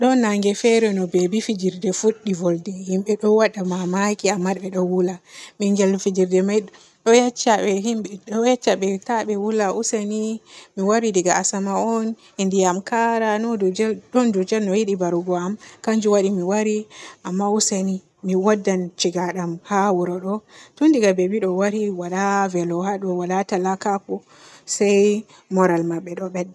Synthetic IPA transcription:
ɗɔnːaŋɡɛfɛɾɛnɔbɛbifid͡ʒiɾdɛfuɗːivɔldɛhimɓɛɗɔwaɗamamakiamːaɗɓɛɗɔwulamiŋɡɛlfid͡ʒiɾdɛmaj | ɗɔjat͡ʃːaɓɛɦimɓɛɗɔjat͡ʃːaɓɛtaɓɛwulaʔusanimiwaɾidiɡaːsamaɔn | indijamkaɾanɔdud͡ʒɛɗɔndud͡ʒɛlnɔjiɗibaɾuɡɔamkand͡ʒuwaɗimiwaɾiʔamːauseni | miwadːant͡ʃiɡaɗamhawuɾɔɗɔtundiɡabebiɗɔwaɾiwalavɛlɔhaɗɔwalatalakapɔ | saj | mɔɾalmaɓːɛɗɔɓɛdːɛ

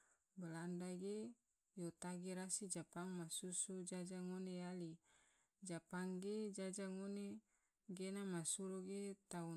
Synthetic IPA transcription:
bəlandaɡe | jot̪aɡiɾasid͡ʒapaŋmasusud͡ʒad͡ʒaŋoneali | d͡ʒapaŋɡed͡ʒad͡ʒaŋone | ɡenamasuɾoɡet̪au

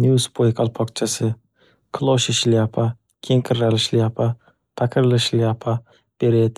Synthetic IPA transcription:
njuspʰojqʰɑlˠpʰɒqt͡ʃʰasɪ | kʰlˠoʃɪʃlɪapʰa | kʲʰeŋqʰɪɾːalɪʃlɪapʰa | t̪ʰakʲʰɪɾlɪʃlɪapʰa | b̥eɾed̪

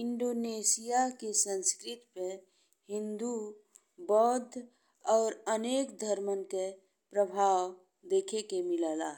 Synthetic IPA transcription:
ɪɳɖoːneːsijakesə̃nskɾɪt̪pe | hɪ̃nd̪u | bɔːd̪ʱ | ɔːɾəneːkd̪ʱəɾmənke | pɾəbʱaːw | d̪eːkʰekemɪlaːlaː

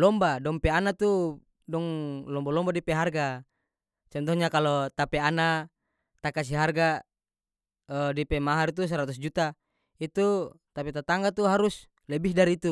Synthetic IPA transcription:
lɔmbadɔŋpɛanat̪u | dɔŋlɔmbalɔmbadipɛɦarɡa | t͡ʃɔnt̪̬ɔɲakalɔt̪apɛana | t̪akas̬iɦarɡa | ədipɛmaɦaɾit̪̬us̬aɾat̪us̬d͡ʒut̪a | it̪ut̪apit̪at̪aŋɡat̪uɦaɾus | lɛbihdaɾiit̪u

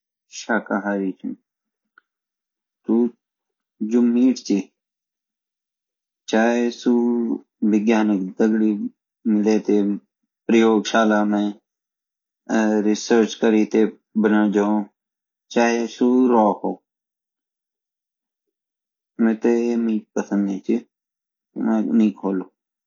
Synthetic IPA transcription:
ʃaːkaːɦaːɾiːt͡ʃʰũː | t̪uː | d͡ʒʊmːiːʈt͡ʃiː | t͡ʃaːesuː | ʋɪɡjaːnɪkd̪əɡɽiː | mɪleːt̪eː | pɾəjoːɡʃaːlaːmɛ̃ː | ɾɪsəɾt͡ʃkəɾiːt̪eː | bənãːd͡ʒaːõː | t͡ʃaːɦeːsuːɾɔːhoː | mɛ̃ːt̪eːeːmiːʈ̚pəsənd̪eːt͡ʃi | mɛ̃ːnĩːkʰoːloː

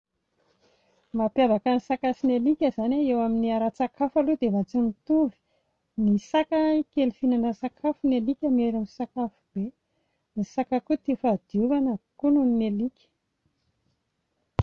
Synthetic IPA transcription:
mapjabakanisakasinelikʲəzanaewaminiaɾat͡sakafalud̪evat͡sinit̪uvi̥ | nisakakelfinanəsakʰafunelikʲameɾamisakafub̥e | nisakakut̪ifad̪iuvanəkununinelikʲə̥

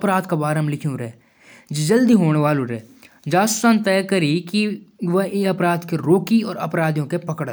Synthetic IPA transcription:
ɐpɾaːd̪kabaːɾəmlɪkʰijũɾɛ | d͡ʒed͡ʒɐld̪iɦoːɳʋaːlũɾɛː | d͡ʒaːssant̪ɛːkɐɾikiʋɐeɐpɾaːd̪keɾoːkiɔːɾɐpɾaːd̪jõkepɐkəɽ

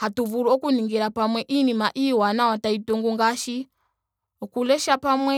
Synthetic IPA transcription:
hatuvuɾuɔkuniŋɡiɾapamwɛʔinimaʔiwanawataituŋɡuŋɡaʃi | ɔkulɛʃapamwɛ

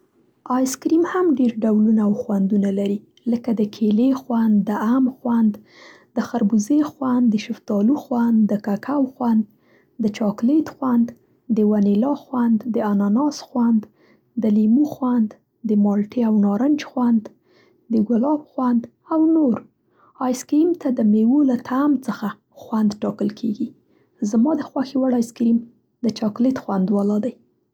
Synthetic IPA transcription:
ɑjskɾimhamɖeɾɖawlunaːwxwand̪unalaɾi | ləkad̪əkʰelexwand̪ːəamxwand̪ | d̪̥əxaɾbuzexwand̪d̪əʃɪft̪ɑluxwand̪d̪əkakʰawxwand̪ | d̪ət͡ʃɑklet̪xwand̪ | d̪əwanelɑxwand̪d̪əanɑnɑsxwand̪ | d̪əlimuxwand̪ | d̪əmɑlʈʰeawnɑɾənt͡ʃxwand̪ | d̪əɡʊlɑbxwand̪ | awnoɾ | ɑjskɾimt̪ad̪əmewolat̪ʰamt͡səxa | xwand̪ʈɑkəlkʰeɡi | zamɑd̪əxwaxiwaɽɑjskɾim | d̪ət͡ʃɑklet̪xwand̪walɑd̪aj

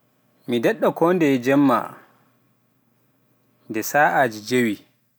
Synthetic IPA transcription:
midɛɗːakɔːndɛd͡ʒɛmːa̰ | ndɛsaːʔad͡ʒid͡ʒewi

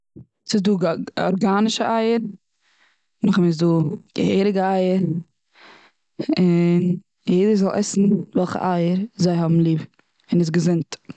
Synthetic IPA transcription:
sɪsduːɡɔ̰ɾɡaːnɪʃəʔaɪəɾ | nʊχɪmɪz̬duːɡ̥ə̰heɪɾɪɡəaɪəɾ | ɪn | jeɪdəzɔlˠʔɛsn̩vɛlˠχə̰ʔaɪəɾzaɪhɔbm̩lˠiːb | ɪnɪs̬ɡəzɪnt

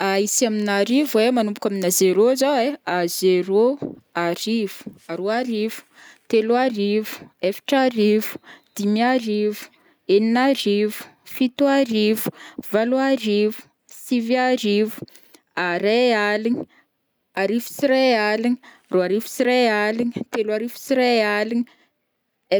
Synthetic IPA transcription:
aisaminaɾivwemanumpukʲaminazeɾozaweazeɾoaɾiv̥u̥aɾoaɾivu̥ | t̪eluaɾivu̥efi̥ʈ͡ʂaɾivu̥d̪̥imiaɾivu̥ | eninaɾivu̥fit̪uaɾivu̥valuaɾivu̥ | siviaɾivu̥ | aɾealini̥ | aɾivu̥siɾealini | roaɾivu̥siɾealinit̪eluaɾivu̥siɾealini | e

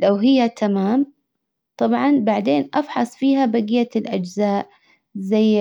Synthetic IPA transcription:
lawɦɪjːat̪ʰamaːm | t̪ˤɑbʕɑnbaʕd̪eːnʔɑfħɑsˤfiːɦabaɡijalʔad͡ʒzaːʔ | zajː

